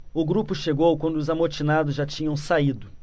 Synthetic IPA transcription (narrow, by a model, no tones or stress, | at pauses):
ʊɡɾupʊʃeɡowkwɐ̃nd̪ʊzamoɾt͡ʃinad̪ʊzʒat͡ʃĩɲɐ̃w̃said̪ʊ